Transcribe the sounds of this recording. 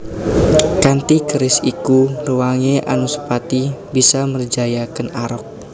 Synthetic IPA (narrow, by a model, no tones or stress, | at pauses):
kant̪ikəɾɪsikuruwaŋeʔa̰nusə̥pat̪ibisamərd͡ʒajakənaɾɔk̚